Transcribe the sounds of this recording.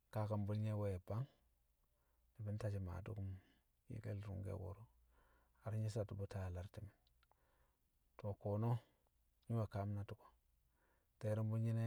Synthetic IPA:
ka˦ka˨mbu˦lɲe˦wo˦je˨ba˦ŋ | i˨bi˦n˦ta˨t͡ʃi˦ma̰˨dṵ˦ku˦m | jḭ˨ɡḛ˦lɾṵ˦ŋɡḛ˦wo̰˨ɾu˦ | a˨ɾi˦ɲi˦sa˨tu˨bu˦ta˦˨la˦ɾti˨mi˨n | to˨ko˨no˦ | ɲi˦we˨ka˦m˦na˦tu˦ko̥˦ | te˨˦ɾi˦mbu˦lɲi˦ne˦

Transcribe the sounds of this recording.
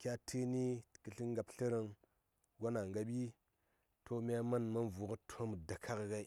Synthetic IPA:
kʲa˦tʰi˦ni˦˨kə˨ɬi˦ŋɡa˨pɬə˦ɾə˦ŋ | ɡʷa˦na˨ŋɡa˨˦ɓi˦ | tʰo˦mi˦a˦ma˦nma˦nvu˨kə˦tʰo˦m˨da˨kʰa˦kɡa˦i˦

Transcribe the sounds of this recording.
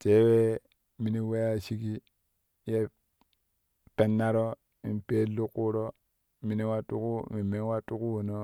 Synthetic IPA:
te˦we˦ | mi˦ni˦we˦ja˦ʃi˦ki˦ | je˦ | pe˦nːa˦ɾo˦ | i˨mpe˦lu˦kːu˦ɾo˦ | mi˨ni˦wa˦tu˦ku˦mi˨me˦wa˦tu˦ku˦wo˨no˦

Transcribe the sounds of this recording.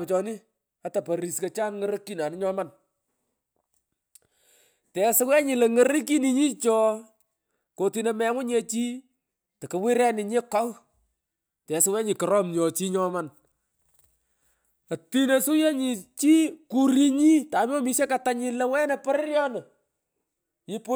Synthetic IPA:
pt͡ʃɔ˨nɪ˦ | a˦ta˨pɐ˨ɾi˨ske˨t͡ʃaː˦nŋə˦ɾə˦ki˦na˨nɪ˦ɲɔ˦ma˦n | tɛ˨sɪ˦wɛ˦ɲɪ˨le˨ŋə˦ɾi˦ki˦ni˨ɲi˦t͡ʃɔ˦ | ko˨ti˨nɛ˨mɛ˨˦ŋʊ˦ɲe˦t͡ʃiː˦ | tɐ˨kɐ˨wɪ˦ɾɛ˦nɪ˨ɲe˦kɔ˦w | tɛ˨sɪ˦wɛ˦ɲɪ˨kɔ˨ɾɔ˦mɲɔ˨t͡ʃi˦ɲɔ˦man | a˨ti˦ne˨su˦je˦ɲi˨t͡ʃi˦ku˨ɾi˦ɲi˦ta˨m˦ɔ˦mi˦ʃe˦ka˨ta˦ɲɪ˨˦lɛ˦wɛ˦nɛ˨pɔ˦ɾɪ˦ɾjɔ˦nə˨ | ɪ˦pʊ˦

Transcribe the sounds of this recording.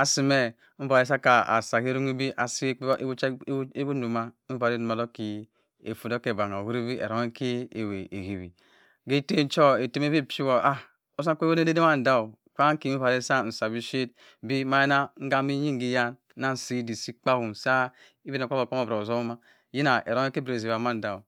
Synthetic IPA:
a˨si˨me˦ | m̩˦ba˨ɾe˦sa˦ka˨a̰˨sa˨ke˦ɾu˦ŋi˦bi˦ʔa˨si˦e˦bu˦nu˨ma˦m̩˦va˨ɾe˦nu˨ma˨lo˦ki˨ | ḛ˨fu˨do˦ke˨ba˨ŋa˨wu˦ɾi˦bi˦ḛ˨ɾo˨ŋe˦ke˦e˨we˨e˨ɡi˨bi˨ | ɡe˦te˦n̩˦t͡ʃo˦e˨te˦m˦e˦βe˦˨pi˦wo˨ʔa˦ | o˦sa˦ko˦ne˦de˦de˦ma˦˨n̩˨da˦˨ | ka˦ki˨˦m˦va˨ɾe˦sa˦˨n̩˨sa˨bi˦ʃe˦t | bi˦ma˨˦je˦na˦ŋ̩˦ɡa˦mi˦ji˦ŋ˦ɡi˦ja˦n˦na˦n̩˨si˦di˨si˦k͡pa˦hu˨sa˦ | i˦bi˦na˨ka˦ba˨ko˦mo˨bɾa˨o˨zo˦ma˦ | ji˦na˨ḛ˨ɾo˨˦e˦ke˦bɾe˨zi˨ba˨ma˦n̩˨da˨u˨

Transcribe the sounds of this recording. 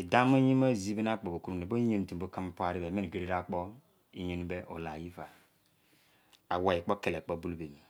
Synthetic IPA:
e˨da˦mo˦ji˦ma˦˨zi˦be˦na˦k͡po˨bo˨ku˦ɾu˨ne˨bo˦ɲe˦n˨tbo˦ka˦m˦po˦a˨ɾi˦be˨me˦n˨ɡe˨ɾe˦ɾa˦k͡po˦ | i˨ɲe˨n˦be˦ʔo˨la˨ji˦fa˨ | a˨wa˨ji˨k͡po˦ke˨le˨k͡po˦bu˦lbe˨m˨

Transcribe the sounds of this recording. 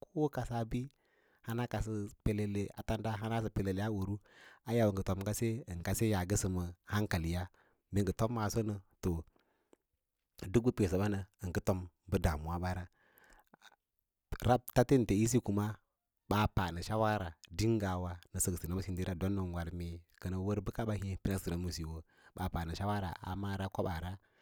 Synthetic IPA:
kʰo˦wka˨sa˦bi˦ | ha˦na˦ka˨s̬ə˦pe˨le˨le˨a̰˨ta˦nda˦ɦa˦na˦s̬ə˨pe˨le˨le˨a˦wu˨ɾu˦a˦ja˨wə˨ŋ˨ɡə˨to˨m˨ka˦se˦ə˨ŋka˦se˦ja˨ɡə˦sə˨mə˨ha˦ŋka˨li˨ja˦ | me˨ŋɡə˨to˦mːa˨so˦nə˨to˨ | du˦k̚bə˦pe˨s̬ə˨ɓa˦nə˨ə˨ŋkə˦to˦m | bə˦da˨mu˨wa˦ɓa˦ɾa˦ | ɾa˦b̚ta˦ti˦n̩˨te˨i˦s̬i˦ku˨ma˦ | ɓa˨pa˨nə˨ʃa˦wa˦ɾa˨di˦ŋ˦ɡa˨wa˦nə˨sə˨ɡsi˨na˦mu˦i˨ndi˦ɾa˦do˦nːə˨ŋ˨wa˨lmi˨kə˨nə˨wə˦ɾbə˦ka˦ɓa˦hi˦pi˦na˦sə˨na˨˦mu˨si˨wə˨ | ɓa˨pa˨nə˨ʃa˦wa˦ɾa̰˨ʔa̰˨ma˦ɾa˦ko˦ɓa˨ɾa˦

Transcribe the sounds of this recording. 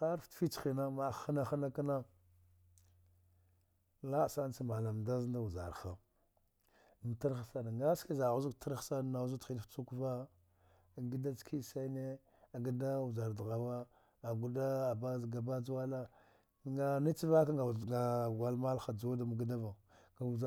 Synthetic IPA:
a˦ɾtfi˦t͡ʃxi˨na˦mḁ˨˦xa˦na˦xa˦na˦ka˦na˦ | la˦˨sa˦n˦t͡si˦ma˨la˨m˨da˦znda˦wu˨za̰˨ɾxa˨ | ta˦ɾa˨sa˦na˨ŋɡa˦ski˦za˨ɣu˦zu˦kta˦ɾxsa˦˨na˨˦zu˦ti˦dft͡su˦ku˦va˦ | a˨ɡi˦da˦t͡skʰi˦sa˦ne˦ | a˨ɡi˦da˦wu˨za˨ɾdɣa˨wa˦ | a˨ɡu˦da˦a˨ba˦˨ɡa˨ba˦d͡zwa˦la˦ | ŋa˦˨ni˦t͡si˦va˦ka˦ɡa˨a˨ɡa˨lma˦lxa˨d͡zo˦da˨mu˨ɡa˦da˦va˨ | ŋɡa˨u˨za˨

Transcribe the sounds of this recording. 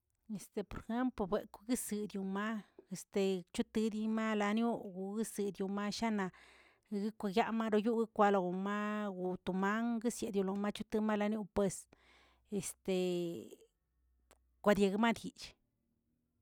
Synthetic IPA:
e˨st̪e˨po˨ɾe˨xe˦mplo˧bʷe˨ku˧ɡɨ˦sɨ˧d̪ju˧ma˦e˨st̪e˨t͡ʃu˦t̪ɨ˧d̪i˧ma˦la˧nju˦ɡu˨ɡi˦sɨ˨d̪ʲju˧ma˦ʃa˦na˧ | ɡɨ˦kʷa˧ɡja˦ma˦ɾo˧ju˦ɡɨ˦kʷa˧lo˧ɡu˨ma˦ɡu˧t̪u˨ma˦ŋɡɨ˦sje˨d̪ju˧lo˧ma˦t͡ʃu˦t̪ɨ˧ma˦la˧nju˦pwe˧s | e˨st̪e˨ | kʷa˧d̪ʲje˧ɡɨ˧ma˦d̪i˨t͡ʃ

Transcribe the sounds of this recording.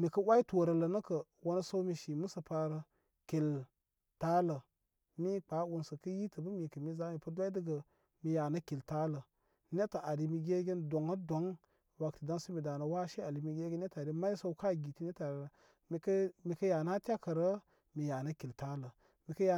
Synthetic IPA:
mi˨kə˦wa˦i˦to˨ɾə˨lə˨nə˦kə˨ | wo˦nə˦so˦wmi˨ʃi˨mu˦sə˨pa˧ɾə˦ | ki˨l | ta˦lə˨ | mi˦k͡pa˨˦wu˦nsə˨kə˦ji˦tə˨bə˦mi˨kə˨mi˦za˦mi˨pə˦dʷa˦də˦ɡə˨ | mi˨ja˨nə˦ki˨lta˦lə˨ | ne˦tə˨a˨ɾi˨mi˨ɡʲe˦ɡʲe˦ndo˨ŋə˦do˨˦ŋ | wa˨ktə˨da˦nsə˦mi˨da˨nə˨wa˦ʃe˦a˨li˨mi˦ɡʲe˦ɡʲn˦e˦ta˨ɾi˦ma˦i˦so˦wka˦˨ɡi˨ti˦ne˦ta˨ɾ | mi˨kə˦mi˨kə˦ja˨na˦tʲa˦kə˨ɾə˦ | mi˨ja˨nə˦ki˨lta˦lə˨ | mi˨kə˦ja˨

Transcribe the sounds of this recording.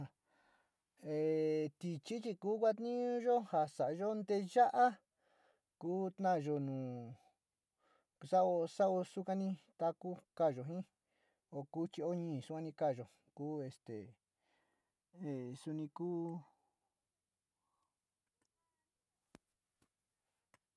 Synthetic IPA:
e˨t̪i˨t͡ʃi˦t͡ʃi˧kuː˦kʷa˦t̪nĩ˦ũ˦ʒo˦ha˧sa˨ʔa˧ʒo˦nd̪e˧ʒa˦ʔa˦ | kuː˦t̪nã˦˨ʒo˧nũː˨ | sa˦o˧sa˦o˧su˦kã˦nĩ˧t̪a˦ku˦ka˦˨ʒo˨ɦĩ˦ | o˧ku˦t͡ʃi˧o˦ɲĩː˦˧˨su˦kã˧nĩ˧ka˦˨ʒo˨ | kuː˦e˧st̪ḛ˨ | e˨su˧nĩ˧kuː˦

